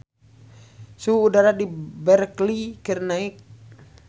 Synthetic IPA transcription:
suuːdaɾadibɛrklikirnaik̚

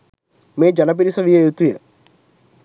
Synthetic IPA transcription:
meːd͡ʒanɐp̬iɾisəʋijəjut̪ujə

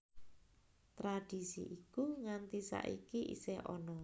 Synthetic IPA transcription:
t̪ɾad̥i̤sḭʔikuŋant̪isa̰ʔikiʔḭseʔɔ̰nɔ

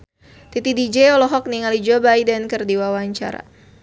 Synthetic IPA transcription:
t̪it̪idid͡ʒɛɔlɔɦɔk̚niŋalid͡ʒɔbajdənkɨrdiwawaɲt͡ʃa̰ɾa̰

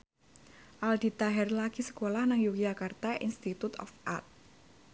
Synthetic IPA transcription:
ʔald̪it̪aɦɛrlakisə̥kolahnaŋjukid͡ʒakart̪aʔḭnst̪it̪ut̪ɔ̰fʔa̰rt̪̚

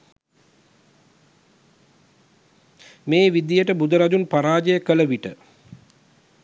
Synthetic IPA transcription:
meːʋid̪ijəʈəbud̪əɾad͡ʒunpaɾaːd͡ʒəjəkələʋiʈə

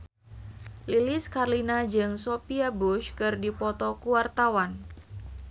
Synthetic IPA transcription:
lilɪskarlinad͡ʒɨŋsopiabuʃkɨrdipɔt̪ɔkuwart̪awan

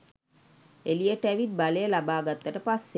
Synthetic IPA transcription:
eliəʈəæʋit̪̚balejəlabaːɡat̪ːəʈəpasːe

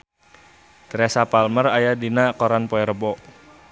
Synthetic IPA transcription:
t̪ɾɛsapalmərajadinakɔɾanpɔɛɾəbɔʔ

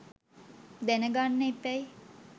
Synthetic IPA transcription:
d̪ɛnəɡanːəipæj

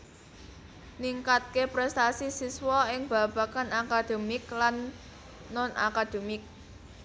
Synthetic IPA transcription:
niŋkat̪̚kepɾɛst̪asisiswɔɪŋb̥a̤b̥a̤kanakad̪̥o̤mɪklanː | ɔna̰kad̪̥e̤mɪk̚

